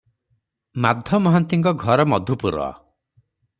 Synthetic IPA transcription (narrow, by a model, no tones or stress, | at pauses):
mad̪ʱjɔmɔɦant̪iŋkɔɡʱɔɾɔmɔd̪ʱupuɾɔ̰